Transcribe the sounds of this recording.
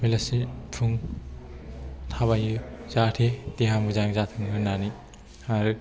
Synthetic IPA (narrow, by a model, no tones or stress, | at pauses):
milasitʰuŋ | t̪ʰaβajɯzatʰet̪iɦamɯzaŋzatʰɯŋɦɯnːani | haɾɯ